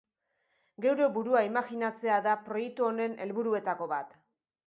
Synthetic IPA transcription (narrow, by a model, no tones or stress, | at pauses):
ɡe̞wɾebuɾuaimaɣinat͡se̞aðapɾo̞jek̚t̪uo̞ne̞ne̞lβuɾue̞t̪ako̞βat̪